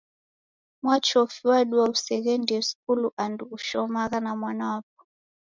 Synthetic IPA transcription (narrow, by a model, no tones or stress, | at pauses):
mwat͡ʃɔfiwaɗuwausɛɣɛndiɛskuluʔanduːʃɔmaɣanamwanawap̚ɔ̥